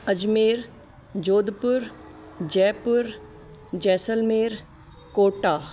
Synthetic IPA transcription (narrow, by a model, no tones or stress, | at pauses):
əd͡ʒmeːɾ | d͡ʒoːd̪pʊɾ | d͡ʒɛːpʊɾ | d͡ʒɛːsəlmeːɾ | koːʈaː